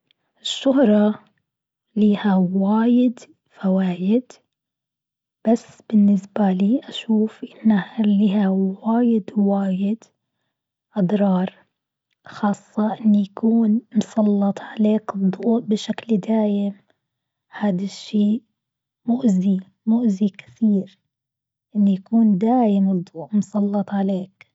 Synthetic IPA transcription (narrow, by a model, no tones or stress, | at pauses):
ʔɪʃːʊɦɾˤɑ | liːhawaːjɪd̪ | fawaːjɪd̪ | b̥asːb̥ɪnːɪsbaliːʔaʃuːfʔɪnːahliːɦawaːjɪd̪waːjɪd̪ | ʔɑd̪ˤɾˤɑːɾˤ | xɑːsˤːɑʔɪnːijakuːnmsˤɑlːɑt̪ˤʕaleːkɨd̪ˤːuːʔ̚bɪʃakld̪aːjɪm | haːd̪aʃːiːʔ | mʊʔzi | mʊʔzikɪ̥θiːɾ | ʔɪnːujakuːnd̪aːjɪmɨd̪ˤːuːʔmsˤɑlːɑt̪ˤʕaleːk̚